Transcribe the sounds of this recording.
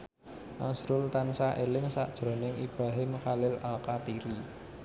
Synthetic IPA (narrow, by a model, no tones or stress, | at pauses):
ʔasɾʊlt̪ansaʔelɪŋsa̰ʔd̥ʒ̥ɾo̤nɪŋib̥ɾaɦɪmkalɪlalkat̪iɾi